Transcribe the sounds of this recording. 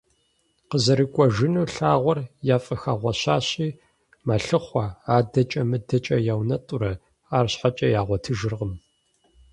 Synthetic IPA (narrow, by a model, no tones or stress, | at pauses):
qəzɐɾɨkʷʼɔʒɪnuːɬaːʁʷɔrjaːfʼɐxaʁʷɐɕaːɕʼiː | mɐɬɨχʷɐaːdɐt͡ʃʼɐmɨdɐt͡ʃʼɐjawnɐtʼʊɾɐ | aːrɕħat͡ʃʼɐjaːʁʷɔtʰɨʒɨrʁəm